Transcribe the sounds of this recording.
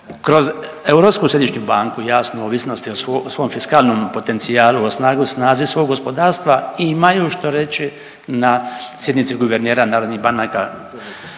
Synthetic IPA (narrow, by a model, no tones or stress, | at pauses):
kɾo̞z | euɾo̞pskuːsjed̪it͡ʃɲubaːŋkujaːsnooːʋisno̞st̪iososʋomfiskaːlno̞mpo̞t̪e̞nt̪siaːluosnaːɡusnaːzisʋo̞ːɡo̞spo̞d̪aːɾst̪ʋaimajuːʃt̪o̞ɾe̞t͡ʃi | nasje̞d̪nit̪siɡuʋeɾneːɾanaːɾo̞d̪niɦbanaka̰